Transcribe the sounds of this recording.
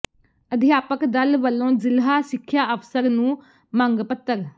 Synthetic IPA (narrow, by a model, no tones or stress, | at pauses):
əd̪ʱijaːpəkd̪ɐlbəlːõzɪlɦasɪkʰːjaːəpsəɾnũː | mãŋɡpət̪ːəɾ